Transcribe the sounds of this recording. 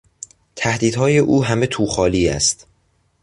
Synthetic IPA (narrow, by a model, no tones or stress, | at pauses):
t̪ʰæhd̪iːd̪hɒːje̞ʔuːɦæme̞t̪ʰuːχɒːliːæ̰st̪